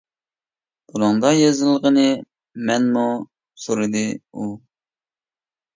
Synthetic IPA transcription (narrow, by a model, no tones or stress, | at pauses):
bulɨŋd̪ɑjɑzɨlˠʁənɨ | mɛnmu | suɾɨd̪ɨu